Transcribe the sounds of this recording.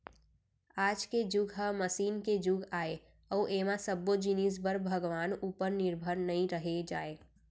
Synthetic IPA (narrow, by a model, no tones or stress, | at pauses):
aːd͡ʒked͡ʒʊɡɦəməsiːnked͡ʒʊɡaːe | ɔːʔeːmãsəbod͡ʒinis̬bəɾbʱəɡʋaːnuːpəɾnɪɾbʱəɾnɐɦĩɾəɦed͡ʒaːeː